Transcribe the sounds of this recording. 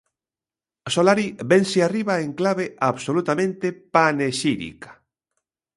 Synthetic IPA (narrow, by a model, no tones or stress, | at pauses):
solaɾibenseariβaeŋklaβeʔaβsolut̪amẽnt̪epaneʃiɾḭkḁ